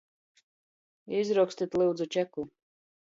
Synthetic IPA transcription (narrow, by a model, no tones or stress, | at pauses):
izɾukst̪ʲit̪ʲlˠɨwd̪zut͡ʃɛku